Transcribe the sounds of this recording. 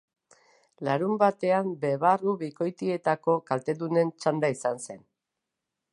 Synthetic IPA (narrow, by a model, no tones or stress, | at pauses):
laɾumbat̪e̞ambe̞βaruβiko̞jt̪ie̞t̪ako̞kalt̪e̞ðune̞nt͡ʃand̪aisanse̞n